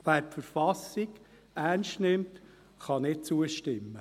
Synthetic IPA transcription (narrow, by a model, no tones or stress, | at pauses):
ʋæːɾpfəɾfɑsiɡ | ærnstnɪmt | χɑnɪt͡suəʃtɪmːə